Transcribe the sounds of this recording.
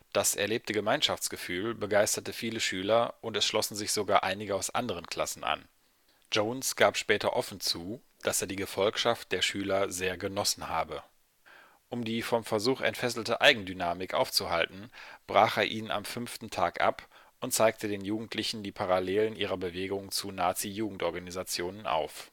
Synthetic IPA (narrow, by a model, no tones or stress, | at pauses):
d̥asʔɛ̰ɐleːp̚təɡəmaɪnʃaft͡sɡ̥əfyːlbəɡaɪstɐtəfiːləʃyːlɐʔʊntɛsʃlɔsn̩zɪçz̥oɡaːɐʔaɪnɪɡəaʊsʔa̰ndəʁ̞ənkʰl̥a̰sn̩ʔa̰n | d͡ʒoːnsɡ̥aːpʃpɛːtɐʔɔfn̩t͡suː | d̥aseːɐdiːɡəfɔlkʃaft̚d̥eːɐʃyːlɐzeːɐɡənɔsn̩ha̰ːbə | ʔʊmdiːfɔmfɛɐzuːχɛ̰ntfɛsl̩təʔaɪɡŋ̩dynaːmɪkʔa̰ʊft͡suhaltn̩b̥ʁaːχeːɐʔiːnəna̰mfʏnftn̩tʰaːkʔa̰p | ʔʊnt̚t͡saɪk̚tʰədeːnjuːɡŋ̩tʰlɪçn̩diːpʰaʁaleːlənʔiːʁɐbəveːɡʊŋt͡sunaːt͡sijuːɡŋ̩tʔɔɐɡanizat͡sjoːnəna̰ʊf